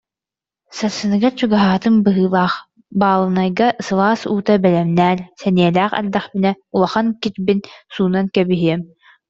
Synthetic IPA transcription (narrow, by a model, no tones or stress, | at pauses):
saɾsɯnɯɡat͡ɕuɡaɦaːt̪ɯnbɯɦɯːlˠaːχ | baːlˠɯnajɡaʔsɯlˠaːsuːt̪abɛlɛmnæːɾsɛniɛlæːχɛ̰ld̪aχbinɛ | ulˠaχankit͡ɕbinsuːnankɛbiɦiɛm